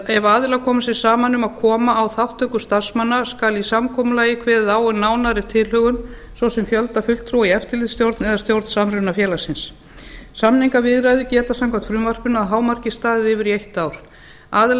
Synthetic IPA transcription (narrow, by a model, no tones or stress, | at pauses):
ɛvaːðɪlakʰɔːmasɪ̥saːmanːʏmaðkʰɔːmaːwθaht̪ʰœkʏst̪ar̥smanːaskalisamkʰɔːmʏlaːjɪkʰvɛːððaːwʏnaːwnaɾɪt̪ʰɪlhʏɣʏn | svɔwsɛmfjœlt̪afʏl̥kt̪ʰɾuwiɛft̪ɪɾlɪðst̪jowɾt̪nɛðast̪jowɾt̪n̥saːmɾʏnafjɛːlasɪns | samniŋkavɪðɾajðʏcɛːt̪asamkʰvat̪fɾʏːmvar̥pʏnaðɦaːwmar̥cɪst̪aːðɪðɪvɪɾiejht̪aːwɾ̥ | aːðɪl